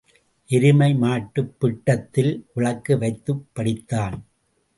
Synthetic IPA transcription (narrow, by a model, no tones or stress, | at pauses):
ʔɪɾɪmɐɪmaːʈːɯpːɪʈːɐt̪ːɪlʔʊɭɐkːɯʋɐɪt̪ːɯpːɐɽɪt̪ːaːn